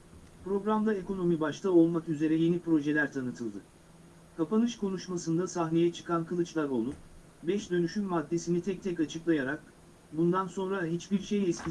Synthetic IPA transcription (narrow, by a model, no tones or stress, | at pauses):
pɾo̞ɡɾamd̪ae̞ko̞no̞mibaʃt̪ʰao̞lˠmakyze̞ɾɛje̞nipɾo̞ʒe̞lʲæɾt̪ʰanɯt̪ʰɯlˠd̪ɯ | kʰapanɯʃkʰo̞nuʃmasɯnd̪asaɦne̞jɛt͡ʃʰɯ̥kʰankʰɯlˠɯt͡ʃlˠaɾo̞lˠup | bɛʃd̪ø̞nyʃynmad̪ːe̞sinit̪ʰɛc̚t̪ʰɛcat͡ʃʰɯklˠajaɾak̚ | bund̪anso̞nɾaɦit͡ʃbiɾʃejɛscʰʲi